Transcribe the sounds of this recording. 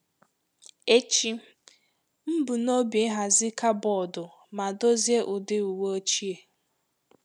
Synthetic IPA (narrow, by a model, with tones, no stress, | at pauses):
e˦t͡ʃi˦ | m̩˦bu˨no˦be˨˦ɦa˨zɪ˦ka˦bɔ˦˨dʊ˨ | ma˨do˦zje˦ʔʊ˨dɪ˦u˨we˦o˦t͡ʃi˦e˨